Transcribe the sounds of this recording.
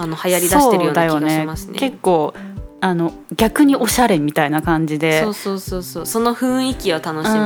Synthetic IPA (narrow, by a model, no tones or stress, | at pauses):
anohajaɾʲisd̪aoːeɾɯjoːd̪ajo̞nɡ̪eɕ̞masɨnke̞kːo̞ːano̞ | ɡʲakɯ̟ɲ̟iʔo̞ɕaɾe̞mʲit̪ainakãɲ̟d͡ʑid̪e̞soːsoːsoːsoːso̞no̞ɸɯ̟̃ɰ̃ikʲiβat̪ano̞ɕɯĩ